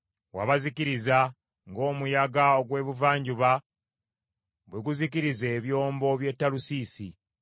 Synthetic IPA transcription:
wa̰βazikiɾiza | ŋɡo̞ːmujaɡaoɡwe̞ːβuvaːɲɟuβa | βweɡuzikiɾize̞ːβjo̞ːmbo̞βje̞tːalusiːsi

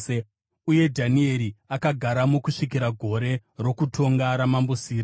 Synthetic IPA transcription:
uje̞dʱanie̞ɾiakaɡʱaɾamukuʂik̬iɾaɡʱo̞ɾe̞ro̞kutʰo̞ŋɡaɾamambusiːro

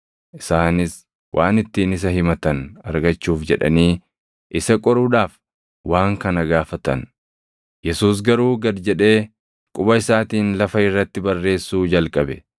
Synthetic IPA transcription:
ʔɪsaːnɪs | wʔa̰ːnɪt̪ːiːnɪs̬ɐɦɪmɐt̪ɐnɐ̰ɾɡɐt͡ʃːuːfd͡ʒɛᶑɐ̰niː | ʔɪsɐkʼɔɾuːᶑaːf | waːŋkɐnɐɡaːfɐt̪ɐ̰n | jɛsuːs̬ɡɐɾuːɡɐd̪d͡ʒɛᶑe̞ː | kʼʊbɐɪsaːt̪iːnlɐfɐɪrːɐt̪ːɪbɐrːe̞ːsːuːd͡ʒɐlkʼɐbɛ

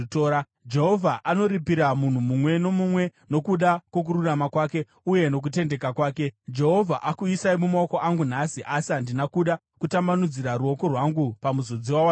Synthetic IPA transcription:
toɾa | d͡ʒeɦovʱaʔano̞ɾipiɾamun̤umumwe̞no̞mumwe̞no̞kuɗakwok̬uɾuramakwaːke̞ | uje̞no̞k̬ute̞nde̞kakwaːke̞d͡ʒe̞ɦo̞vʱaʔakuisaimumaoko̞ʔaŋɡun̤asiʔasiɦandinakuɗa | kutamanud͡ziɾaɾuo̞ko̞rwaŋɡupamuzod͡ziwawa

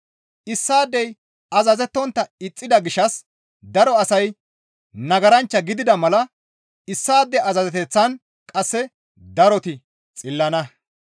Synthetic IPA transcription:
ʔɪsːaːd̪ːɛj | ɐzɐzɛt̪ːɔnt̪ːɐɪt͡sʼːɪd̪ɐɡɪʃɐs | d̪ɐɾɔɐsɐj | nɐɡɐɾɐnt͡ʃːɐɡɪd̪ɪd̪ɐmɐlɐ | ɪsːaːd̪ːɛʔɐzɐzɛt̪ɛt͡sːɐn | kʼɐsːɛ | d̪ɐɾɔt̪ɪ | t͡sʼɪlːɐnɐ

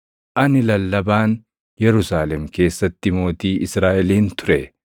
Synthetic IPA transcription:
ʔɐnɪlɐlːɐbaːn | jɛɾʊsaːlɛmke̞ːsːɐt̪ːɪmo̞ːt̪iːɪsɾaːʔɛliːnt̪ʊɾɛ

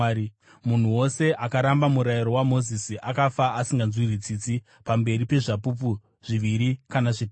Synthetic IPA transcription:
mun̤uwo̞se̞ʔakaɾambamuɾajiɾo̞wamo̞zisiʔakafaːsiŋɡanzwirit͡sit͡si | pambe̞ɾipe̞ʐapup̬u | ʐ̥iʋiɾikanaʐi

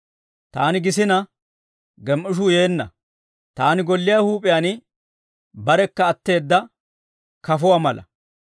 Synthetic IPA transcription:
t̪aːnɪɡɪsɪnɐ | ɡɛmʔʊʃ̬uːje̞ːnːɐ̰ | t̪aːnɪɡɔlːɪjaːhuːpʼɪjanɪ | bɐɾɛkːɐːt̪ːe̞ːd̪ːɐ | kɐfʊwaːmɐlʔɐ̰

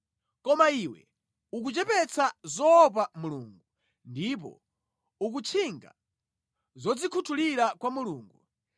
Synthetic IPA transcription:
kɔmaiwɛ̰ | uk̬ut͡ʃɛpɛt͡sʰazɔːp̬amuluːŋɡu | ndip̬ɔ̰ | uk̬ut͡ʃʰiŋɡa̰ | zɔd͡zikʰutʰuliɾakwamuluːŋɡu

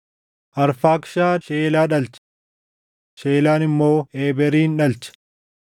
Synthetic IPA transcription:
ʔɐɾfaːkʃaːʃeːlaːᶑɐlt͡ʃ | ʃeːlaːnɪmːo̞ːeːbɛɾiːnᶑɐlt͡ʃɛ̥

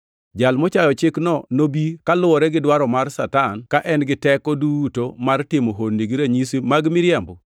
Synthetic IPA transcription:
d͡ʒalmɔt͡ʃajɔt͡ʃɪknɔnobikalʊwɔɾɛɡɪdwaɾɔmarsatankaʔɛnɡɪtɛkɔdutomartɪmɔɦonːiɡiɾaɲisimaɡmɪɾjambɔ

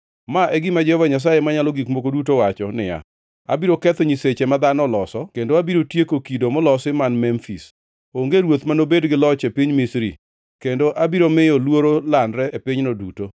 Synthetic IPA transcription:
maʔeɡimad͡ʒɛhɔvaɲas̬ajemaɲalɔɡikmokodut̬owat͡ʃɔnɪ̰ja̰ | a̰biɾokɛt̪ɔɲiset͡ʃemad̪anɔlɔsɔkendoabiɾotjekokidomɔlɔsɪmanmɛmfḭs | oŋɡeɾwot̪manobedɡɪlɔt͡ʃepiɲmisɾḭ | kendoʔabiɾomɪolwoɾolandɾɛepɪɲnoduto

